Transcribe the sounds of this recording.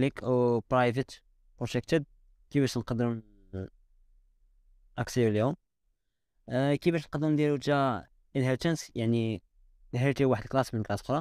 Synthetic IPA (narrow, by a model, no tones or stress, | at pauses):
likəwpɾɑjvət̪ | pɾoʒæk̚t̪əd̪̚ | kibæʃnqɑd̪əm | ʔæksəɾljum | kibæʃnqɑd̪əmd̪iɾud͡ʒæ | ʔənhəɾt̪ənsjaʕni | d̪həɾt̪iwaħəd̪xlɑsmənkɾɑsxɾˤɑ